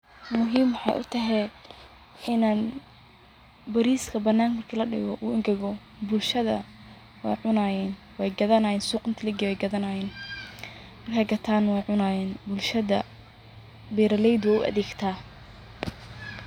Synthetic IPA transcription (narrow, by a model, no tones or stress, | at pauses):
mʊɦiːmwħɑ̰jʔʊ̰t̪ʰɐɦɛj | ɪnaːn | bɐɾiːskʰɐbɐnːaːnmɐrkʰiːlɐɖɪ̰ɣɔʔuːɪŋɡɐɣɔ | bʊlʃɐðɐ̰ | wɑ̰jʕʊnaːjɛːn | wɛjɡɐðɐnaːjɛːnsuːqʼɪnt̪ʰɪlɛɡɛwɛjɡɐðɐnaːjɛːn | mɐrkʰɐɡɐt̪ʰaːnwɛjʕʊnajɛːnbʊlʃɐðɐ | bɛːɾɐlɛjd̪wɛʊ̰ʔɐ̰ðɛːɡt̪ʰaː